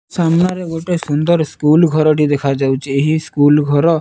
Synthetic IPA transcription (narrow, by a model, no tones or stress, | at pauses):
samnaɾeɡoʈesund̪ɔɾskulɡʱɔɾɔʈid̪ekʰad͡ʒawt͡ʃʰieɦiskulɡʱɔɾɔ